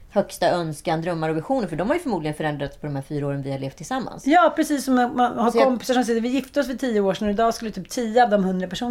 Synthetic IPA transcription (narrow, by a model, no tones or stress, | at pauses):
hœkst̪aœnskand̪ɾœmːaɾɔvɪɧuːnəɾfœɖɔmhaɾjɵfœɾmuːd̪lɪɡənfœɾɛnd̪ɾat̪spʰɔd̪ɔmhæːɾfyːɾaoːɾənvɪhaɭeːft̪ʰːɪlsamːa̰nsjɑːpʰɾɛsiːsːɔmahaɾkɔmpɪ̥saʂɔms̬ɪt̪ːəvɪjɪft̪əɔs̬vɪt̪ʰijːəoːʂnɾɪd̪ɑːskɵlːət̪ʰyːp̚t̪ʰiːəɑːvd̪ɔmhɵnd̪ɾapʰæʂuːn